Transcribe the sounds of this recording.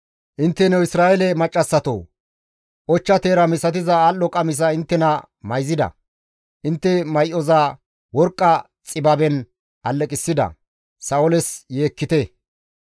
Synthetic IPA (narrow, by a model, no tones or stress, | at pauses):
ʔɪnt̪ːɛnɛwɪsɾaːjɛlɛmɐt͡ʃʼːɐsːɐt̪o̰ː | ʔɔt͡ʃːɐt̪eːɾɐmɪsɐt̪̬ɪzɐalːɔkʼɐmɪs̬ɐɪnt̪ːɛnɐ | mɐjzɪd̪ɐ̰ | ʔɪnt̪ːɛmɐjʔɔza | wɔɾkʼːɐ | t͡sʼɪbɐbɛn | ʔɐlːɛkʼɪsːɪd̪ɐ̰ | sɐwɔlɛsjeːkːɪt̪ɛ